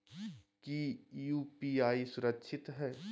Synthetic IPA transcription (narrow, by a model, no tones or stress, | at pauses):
kijuːpiːaːisʊɾəkʃʰɪt̪ɦɛː